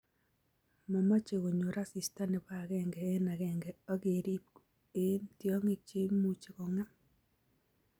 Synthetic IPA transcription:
ma˨ma˦t͡ʃe˨ɣo˨ɲo˨ɾa˦si˨sta˦nɪ˨ba˦˨kɛ˦ŋɡɛ˨e˦na˨kɛ˨ŋɡɛ˨ɔ˦ke˨ɾi˦p̚ | e˦ntjɔ˦ŋe˦k̚t͡ʃe˦mu˦t͡ʃe˨ko˨ŋa˦m

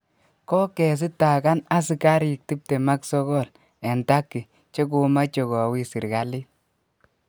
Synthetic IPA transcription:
kɔ˦kɛ˨s̬i˦ta˨ka˦na˦s̬i˦ka˦ɾi˨k̚ti˦p̚te˨ma˦ksɔ˦ɡɔ˦˨l | ɛ˨nta˦kːi˨ | t͡ʃe˦k̬o˧ma˦t͡ʃɔ˨kɔ˨wi˦si˨ɾɡa˨li˦

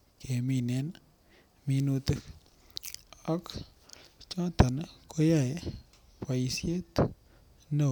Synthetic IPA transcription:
kʰe˨mi˨ne˦n | mi˧nu˧t̪ɨ˦k | a˦k | t͡ʃɔ̃˦t̪a˨nko˦ja˦˨j | pa˨i˨sje˦t̪ | no˨

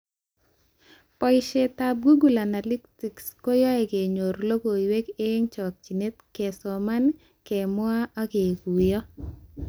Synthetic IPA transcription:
pɔ˦ɪʃe˨t̪a˨b̚ɡu˦ɡu˨la˨na˨li˦kti˨ksko˦jɔ˦ɛ˨ɡe˨ɲo˨ɾlo˦ɡo˨iwe˦ke˦ŋt͡ʃɔ˨k̚t͡ʃi˨ne˦t̪ke˨sɔ˨ma˦n | kɛ˨mwa˦a˦ke˨ɡu˨jɔ˦

